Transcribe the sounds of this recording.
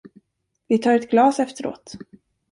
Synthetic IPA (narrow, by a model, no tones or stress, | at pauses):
vɪt̪ʰɑːɾɛt̪ɡlɑːsɛft̪əɾo̰ːt̪